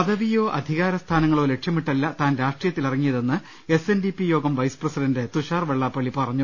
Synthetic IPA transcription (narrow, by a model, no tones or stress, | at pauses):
pɐðɐʋijo̞ːʔɐd̪ʱiɣaːɾɐst̪ʰaːnɐŋːɐɭo̞ːle̞ʈʂjɐmiʈːɐlːɐt̪aːnɾaːʂʈrijɐt̪ːilɐriŋːijɐðe̞nːɨ | e̞se̞ndipːijo̞ːɡɐmʋɐjsɨ̥prɐsidɐndet̪uɕaːrʋeɭːaːpːɐɭːipɐrɐɲːu